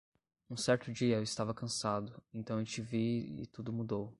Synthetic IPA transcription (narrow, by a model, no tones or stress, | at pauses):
ũsɛɾt̪ʊd͡ʒiɐewɪst̪avɐkɐ̃sad̪ʊẽnt̪ɐ̃w̃et͡ʃɪviɪ̰t̪ud̪ʊmud̪ow